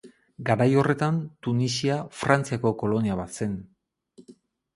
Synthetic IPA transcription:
ɡaɾajo̞re̞t̪ant̪unisiafɾant͡siako̞ko̞lo̞niaβat̪se̞n

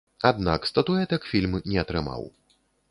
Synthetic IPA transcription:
ad̪nakst̪ɐt̪uɛt̪ɛkfʲilʲmnʲɛɐt̪ɾɨma̰w

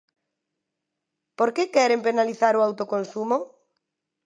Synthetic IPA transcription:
poɾkekɛɾempenaliθaɾoawt̪okonsumo

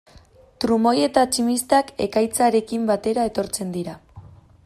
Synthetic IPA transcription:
t̪ɾumo̞je̞t̪at͡ʃimist̪ake̞kajt͡saɾe̞kimbat̪e̞ɾae̞t̪o̞ɾt͡se̞nd̪iɾa

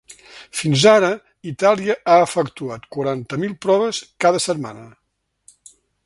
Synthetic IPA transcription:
finzaɾə | it̪alˠiəʔaəfəkt̪uat̪kwaɾant̪əmilˠpɾɔβəskaðəsəd̪̚ma̰nə

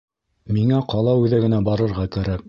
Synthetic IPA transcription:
miŋæqɑlˠɑʉðæɡɘ̆næbɑɾɤ̆ɾʁɑkæɾæk̚

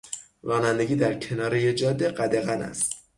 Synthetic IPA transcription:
ɾɒːnænd̪e̞ɡʲiːd̪æɾcʰe̞nɒːɾejed͡ʒɒːd̪ːeɢæd̪eɣænæ̰st̪

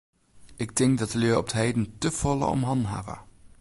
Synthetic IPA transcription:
ɪɡ̚dɪŋk̚dɑtəliːɔp̚tɦɛjdəntəv̥ɔlə̰ɔ̰mɦɑnɦa̰və̰

